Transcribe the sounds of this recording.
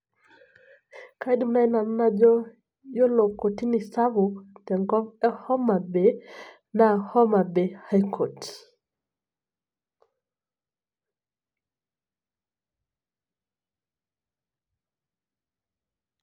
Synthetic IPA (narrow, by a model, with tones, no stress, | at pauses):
ka˨i˦di˨m˨na˦i˦na˨m̩˦na˦d͡ʒɔ˦ | jɔ˦lɔ˨kɔ˨ti˦ni˨sa˦βu˨tɛ˨ŋɡɔ˦mɛ˦hɔ˦ma˨bɛ˨ | na˨hɔ˦ma˨bɛ˨ha˦jkʰɔ˨ti̥